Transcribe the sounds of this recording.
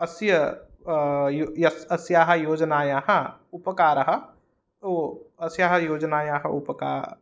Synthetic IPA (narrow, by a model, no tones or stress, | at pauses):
ɐsjə | jojɐsɐsjaːɦɐjoːd͡ʒnaːjaːɦɐ̃upəkaːɾɐɦə | oːɐsjaːɦɐjoːd͡ʒnaːjaːɦəupəka̰